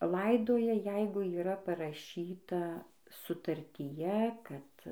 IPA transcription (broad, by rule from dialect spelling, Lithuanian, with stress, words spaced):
ˈlˠɐɪdoːjɛ ˈjɛɪɡʊ iːˈrɐ pɐrɐˈʃʲiːtɐ sʊtɐrʲtʲiːˈjɛ ˈkɐt